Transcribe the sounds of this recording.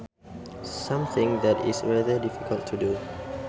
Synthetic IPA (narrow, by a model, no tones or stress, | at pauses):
sãmθɪ̃ŋd̪ɛtḭsɹadədifikʰəltʰːudu